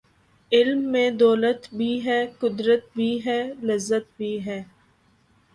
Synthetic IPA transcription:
ɪlmːẽd̪ɔːlət̪bʱiɦɛːkʊd̪ɾət̪̚bʱiːɦɛːlɐzːət̪̚bʱiːɦɛː

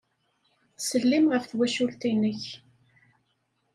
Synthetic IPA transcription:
səlːimʁəfθwæʃʊlt̪inəç

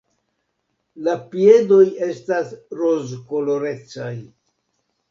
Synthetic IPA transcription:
lapie̞do̞je̞stasɾo̞zko̞lo̞ɾe̞t͡saj

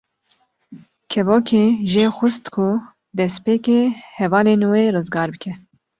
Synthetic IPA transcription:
kʰɛvoːkʰeːʒeːxʷʊst̪kʰu | d̪ɛspeːkeːhɛvɑːleːnweːrɨzɡɑːɾbɨkʲʰɛ

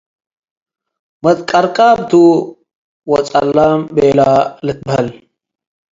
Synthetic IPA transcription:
mɐt̪kʼɐɾkʼaːb̚t̪ʰu | wot͡sʼɐlːambeːlaːlət̪̚bʱɐl

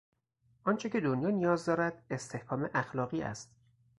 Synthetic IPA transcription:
ʔɒːnt͡ʃʰe̞cʰʲe̞d̪onjɒːnijɒːzd̪ɒːɾæd̪e̞st̪ʰe̞hkʰɒːme̞ʔæxlɒːɣiːʔæ̰st̪

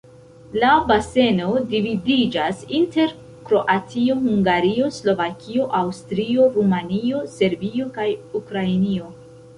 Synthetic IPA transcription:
labase̞no̞dividid͡ʒasinte̞ɾ | kɾo̞ʔatʰio̞huŋɡaɾio̞slo̞vakʰio̞ʔawstɾio̞ɾumanio̞se̞ɾbio̞kajukɾainio̞

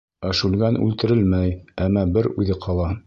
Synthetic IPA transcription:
æʃʉlɡænʉ̰lt̪ɘ̆ɾɘlmæjæmːɑbɘɾʉðɘqʰɑlˠɑ

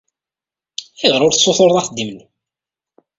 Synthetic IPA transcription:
iʁɾˤʊɾθsːoθoɾðˤɑθd̪ːimən

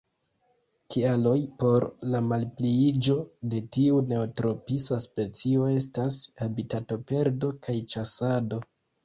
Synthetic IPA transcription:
kʰialo̞jpo̞ɾlamalpliid͡ʒo̞de̞tiune̞otɾo̞pisaspe̞t͡sio̞e̞stashabitato̞pe̞ɾdo̞kʰajt͡ʃasado̞

